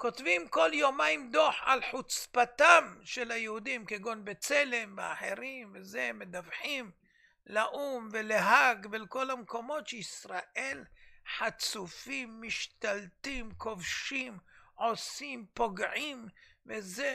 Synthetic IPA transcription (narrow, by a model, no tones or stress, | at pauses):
ko̞t̪vimko̞ljomaimd̪oħʕa̰lħut͡spat̪amʃelajehud̪imkeɡo̞nbet͡sele̞mbea̰ħḛʁimvezemed̪avħim | laʔumveleɦaɡvelko̞lamko̞mo̞t̪ʃeisʁaʔe̞lħat͡sufimːiʃt̪alt̪imkʰo̞vʃimʕo̞simpo̞ɡʕimveze